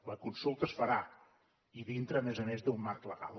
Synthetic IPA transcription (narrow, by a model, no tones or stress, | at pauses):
ləkunsulˠt̪əsfəɾa | iðint̪ɾəmɛzənɛzd̪ummarkləɣa̰lˠ